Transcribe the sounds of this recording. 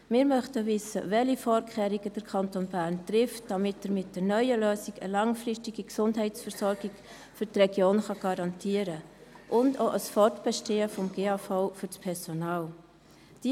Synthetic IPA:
mɪːɾmœχtəvɪsə̰vɛlifɔːɾkʰχɛːɾiɡəd̥əɾkʰɑntoːnbæːɾntrɪftd̥ɑmɪtəɾmɪt̚d̥ənœʏəløːsiɡə̰lɑŋfrɪʃtiɡiksʊndɦɛɪtsfəɾsɔɾɡiɡ | fʏtrɛɡ̥joːnχɑɡ̥ɑɾɑntʰiəɾəʔʊndoʔəsfɔɾtb̥ɛʃteːəfɔmɡeːɑfaʊfʏɾspʰɛɾsonɑːl | d̥i

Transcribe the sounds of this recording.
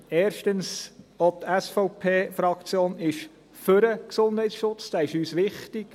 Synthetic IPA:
ɛːɾʃtənsot̪æsfɔwpʰeːfɾɑkt͡sjoːnɪʃ | føɾəksʊnd̥hɛjtsʃʊt͡sd̥æːɪʃyːsʋɪχtik

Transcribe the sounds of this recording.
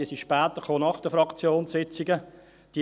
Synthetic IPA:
iəsiʃpɛːt̪əχoːnɑχd̥əfɾɑkt͡sjoːnsɪt͡siɡə | d̥iː

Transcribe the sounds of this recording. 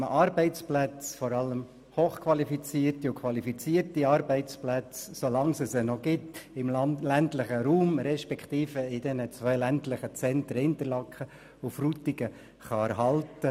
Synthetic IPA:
məʔɑːɾbɛɪt͡splæt͡sfɔɾɑləm | hoːχkʰvɑlifit͡siːərtiʊkʰʋɑlifit͡siːərtiɑːɾbɛɪt͡splæt͡ssolɑŋsəsənɔɡɪtɪmlæntlɪχəɾuːmɾɛʃpɛkχt̪iːfəɪdɛnət͡svœɪlɛntlɪχət͡sɛnt̪ɾəɪnt̪əɾlɑkχə | ʊfrut̪iɡ̥ə | χɑæɾɦɑltə

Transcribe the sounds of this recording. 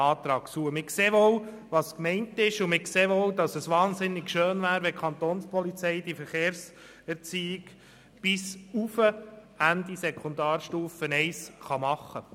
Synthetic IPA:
ɑːt̪ɾɑːkt͡suəmɪkseːʋow | ʋɑskmɛɪntɪʃʊmɪkseːʋowdɑsəsʋɑːnzɪnːɪkʃøːnʋæːɾʋɛkʰɑnt̪onspʰɔlit͡sɛɪd̥ifəɾχeːɾs | ɛɾt͡siːɪɡ | b̥ɪsufəhændisɛkʰond̪ɑːɾʃtuːfənɛɪsχɑmɑχːə

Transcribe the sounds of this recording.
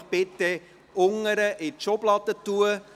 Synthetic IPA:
bɛtɛ | ɔŋəɾəʔɛt͡ʃɔplɑtətuə

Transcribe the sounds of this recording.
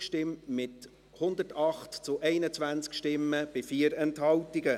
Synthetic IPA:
ʃtɪmmɪt | hʊnd̪ətɑχtt͡sʊʔɛɪnət͡sʋænt͡skʃtɪmːəb̥ɪfiːəɾɛnthɑltɪɡə

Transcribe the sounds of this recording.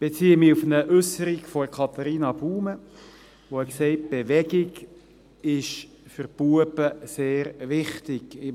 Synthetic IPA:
b̥et͡siːəmiufənəʔʉsəɾikfɔkʰɑt̪ɑɾiːnɑb̥uːmə | ʋoɛksɛɪt̚b̥eʋɛɡɪɡ | ɪʃ | fʏɾb̥uəbəseːɾʋɪχtɪɡɪ

